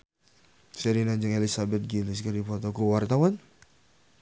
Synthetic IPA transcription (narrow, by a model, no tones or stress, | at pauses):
sɛɾinaɲd͡ʒəŋelisabɛt̪̚ɡilis̬kardipɔt̪ɔkuwart̪awan